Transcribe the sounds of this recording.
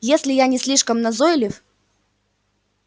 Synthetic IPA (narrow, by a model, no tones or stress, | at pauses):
jesʲlʲɪjanʲɪsʲlʲiʂkəmnɐzojɪlʲɪf